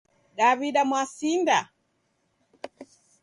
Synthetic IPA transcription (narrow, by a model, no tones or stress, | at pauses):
ɗaβiɗamwasinda